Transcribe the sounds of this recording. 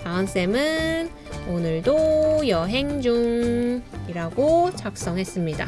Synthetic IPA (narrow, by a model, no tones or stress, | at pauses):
paʌns͈e̞mɯn | onɯɭdojʌɦe̞ŋd͡ʑuŋ | iɾaɡot͡ɕak̚s͈ʌŋɦe̞s͈ɯmɲida̰